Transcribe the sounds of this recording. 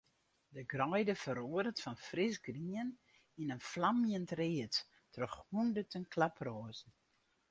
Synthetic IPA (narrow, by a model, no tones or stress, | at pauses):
dəɡrɔjdəfəɾoəɾətfɔnfrɪsɡriən | inənflamjəntreətː | rəχhundətənklaproːzn̩